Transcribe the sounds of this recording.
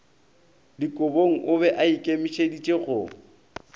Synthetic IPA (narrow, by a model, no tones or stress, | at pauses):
dikʼʊboŋ̩ʔʊbɛʔaikʼemɪʃedit͡ʃʼeɣʊ